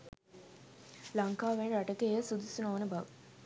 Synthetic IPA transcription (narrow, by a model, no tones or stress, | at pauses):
lɐŋkaːʋeɳɾaʈəkejəsud̪usunoːnəbɐʋə